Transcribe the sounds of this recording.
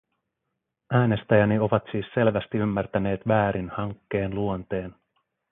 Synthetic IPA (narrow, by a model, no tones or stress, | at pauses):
æːne̞st̪æjænio̞ʋɑt̪siːsːe̞lʋæst̪iymːært̪æne̞ːt̪ʋæːɾʔinhɑŋkːe̞ːnluont̪e̞ːn